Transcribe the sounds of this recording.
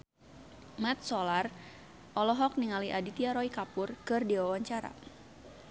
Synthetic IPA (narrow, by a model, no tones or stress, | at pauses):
mɛt̪̚sɔlar | ʔɔlɔɦɔk̚niŋaliʔadit̪iaɾɔikapʊrkɨrdiwawaɲt͡ʃaɾa̰